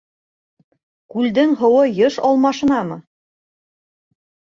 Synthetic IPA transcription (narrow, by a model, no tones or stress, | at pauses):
kʉld̪ɘŋɦŏwɤjɤʃɑlˠmɑʃɤ̆nɑmɤ